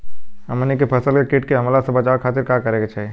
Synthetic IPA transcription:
əmənikepʰəsəlkekɪʈ̚keɦɐmlasebət͡ʃaːkʰaːt̪ɪɾkakəɾẽɡat͡ʃʰɛ

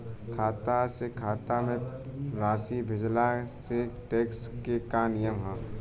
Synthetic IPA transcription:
kʰaːt̪asekʰaːt̪amẽ | ɾaːsibʱɪd͡ʒlaseʈeːkskekanɪjəmɦɛ̃ː

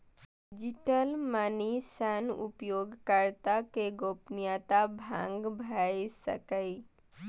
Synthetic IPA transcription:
d͡ʒiʈəlmanisanṵpjoːɡkaɾt̪akeɡopnjat̪abʱã̰ŋɡbʱajsə̰kəj

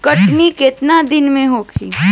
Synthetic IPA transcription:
kəʈniket̪nad̪ɪnmẽɦoːkʰḭː

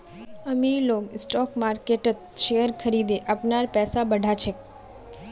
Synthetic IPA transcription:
əmiloɡsʈɔkmaɾkeʈət̪̚ʃejəɾkʰəɾid̪eʔapnaɾpɛsabəɖʱat͡ʃʰe

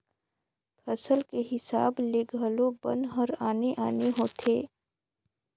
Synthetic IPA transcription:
pʰəsəlkeɦɪsaːbleːɡʱəlobə̰̃nɦəɾaːneʔaːneɦoːt̪ʰeː

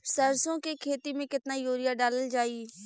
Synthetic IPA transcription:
səɾsõːkekʰeːt̪imẽkɪt̪naːjoːɾɪjaːɖaːləld͡ʒaːiː

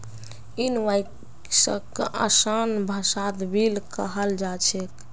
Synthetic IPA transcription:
inʋaj | sə̰kʔəsanbʱəsat̪bilkəɦəld͡ʒat͡ʃʰek

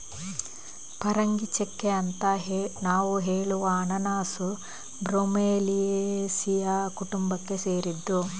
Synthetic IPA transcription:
pɐɾɐŋɡit͡ʃekːeɐnt̪ɐɦenaːʋuɦeːɭuʋɐːnɐnaːsu | bɾomeːlijesijɐkuʈumbɐkːe̞seːɾid̪ːu

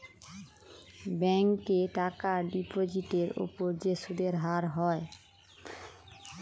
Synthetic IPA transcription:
bɛŋkeʈakaɖipod͡ʑiʈeɾo̰poɾd͡ʑeʃuɖeɾɦaɾɦɔe

